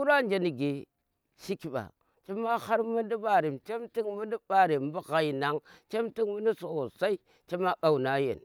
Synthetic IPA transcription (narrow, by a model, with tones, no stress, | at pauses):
ɾa˦nd͡ʒa˨ni˨ɡe˨ | ʃi˦ki˨ɓa̰˨ | t͡ʃe˦ma˦ha˦ɾmu˦ndi˦ba˦ɾi˨mt͡ʃe˦mti˦ŋmu˦ndi˦ba˦ɾi˨m˦bu˦ɣa˨ji˨na˨ŋt͡ʃe˦mti˦ŋmu˦ni˦so˨sa˦i˦ | t͡ʃe˦ma˦ɓa˨u˨na˦jḛ˨n